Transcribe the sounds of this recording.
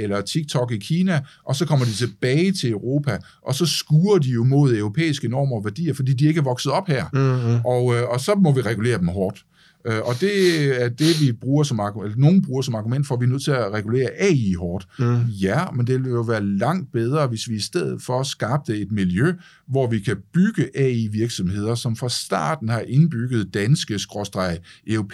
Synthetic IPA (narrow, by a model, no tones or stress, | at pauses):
elɐt͡sʰiɡ̥̚t͡sʰɒ̽ɡ̥ikʰiːnæʔɒ̽sɒ̽kʰɒ̽m̰ɐd̥it͡sʰe̝b̥ɛːɪt͡sʰe̝løʊʁo̝ːpʰæ | ʔɒ̽sɒ̽sɡ̥uːɐd̥ijo̝mo̝ð̞̰ˠøʊʁo̝pʰḛːisɡ̥ənɒ̰ːmɐɒʋæɐd̥ḭːɐfɒ̽d̥ḭːd̥ie̝ɡ̥æɐʋɒ̽ɡ̥sð̩ˠɒ̽b̥hæɐ̰ʔɒ̽ɒ̽sɒ̽mɒ̽ʋiʁɛɡ̥ule̝̰ːɐd̥emɦɒːd̥ | øʔɒ̽d̥e̝æɐd̥e̝ʋib̥ʁuːɐsɒ̽mɑ̈ɡelɐno̝ːn̩b̥ʁuːɐsɒ̽mɑ̈ɡumen̰d̥fɒʋiɐnøð̰ˠt͡sʰe̝læʁɛɡ̥ule̝̰ːɐʔɛiɦɒːd̥jæmend̥e̝eejo̝ʋæːɐlɑ̈ŋ̰d̥̚b̥eð̞ˠʁɐːʋe̝sʋiisd̥eð̰ˠð̩ˠfɒ̽sɡ̥ɑ̈ːb̥̚d̥əe̝d̥miljø | ʋɒʋikʰæb̥yɡ̥əʔɛiʋiɐɡ̥sɒ̽mhe̝ð̰ˠɐsɒ̽mfʁɑ̈sd̥ɑ̰̈ːd̥n̩hɑ̈ʔe̝nb̥yɡ̥əð̞̩ˠd̥ænsɡ̥əsɡ̥ʁɒsd̥ʁɑ̈ɪʔepʰ